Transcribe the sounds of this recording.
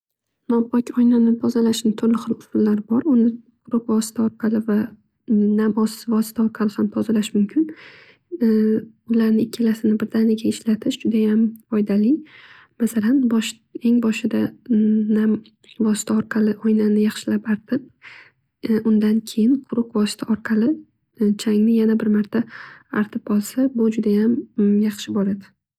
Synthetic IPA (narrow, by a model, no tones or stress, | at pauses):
nɒpɒkʲɒjnanɪt̪ʰɒzalaʃnɪt̪ʰʊɾlɪχɨlˠʊsʊlːaɾbɒɾʊnɪqʰʊɾʊqvɒsɪ̥t̪ʰaɒɾqʰɑlɪva | namɒsɪ̥ɪvɒsɪ̥t̪ʰaɒɾqʰɑlɪhamt̪ʰɒzalaʃmʊmkʲʰɪn | ʊlaɾnɪɪkʲʰːɪlasɪnɪbɪɾd̪anɪɡʲaɪʃlat̪ʰɪʃd͡ʒʊd̪ajamfɒjd̪alɪj | masalanbɒʃ | e̞ŋbɒʃɪd̪anam | vɒsɪ̥t̪ʰaɒɾqʰɑlɪʔojnanɪjɑχʃɪlapaɾt̪ʰɪp̚ | ʔʊnd̪ankʲʰe̞jɪnqʰʊɾʊqvɒsɪ̥t̪ʰaɒɾqʰɑlɪ | t͡ʃʰaŋnɪjanabɪɾmaɾt̪ʰaːɾt̪ʰɪpɒlˠsabʊd͡ʒʊd̪ajamjɑχʃɪbɒɾad̪ɪ